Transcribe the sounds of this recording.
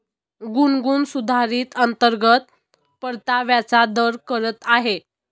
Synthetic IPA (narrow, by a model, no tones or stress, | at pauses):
ɡunɡuːnsud̪ʱaɾiːt̪ənt̪əɾɡət̪̚ | pəɾt̪aʋjat͡sad̪əɾkəɾət̪aɦe